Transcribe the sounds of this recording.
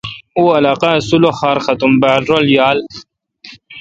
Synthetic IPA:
uɐlaːqasuloxaɾxɐt̪umbaːlɾoljaːl

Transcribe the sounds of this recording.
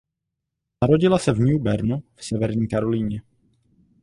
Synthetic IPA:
naɾo̞ɟɪlasɛvɲubɛɾnufsɛvɛɾɲiːkaɾoliːɲɛ

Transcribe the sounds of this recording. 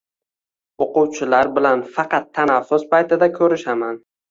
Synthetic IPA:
oqʊwt͡ʃʰɪlaɾbɪlanfɑqʰɑt̪ʰːanafːʊspʰajt̪ʰɪd̪akʲʰɵɾɪʃaman

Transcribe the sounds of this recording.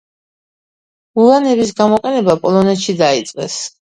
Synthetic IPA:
uvanɛbisɡamɔqʼɛnɛbapʼɔlˠɔnɛt̪ʃid̪ait̪sʼqʼɛ̰s

